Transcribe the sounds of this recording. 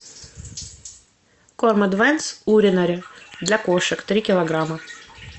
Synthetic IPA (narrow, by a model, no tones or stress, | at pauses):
kormɐd̪vɛnsuɾʲɪnɐɾʲɪd̪lʲɐkoʂɨkt̪ɾʲikʲɪlˠɐɡɾamə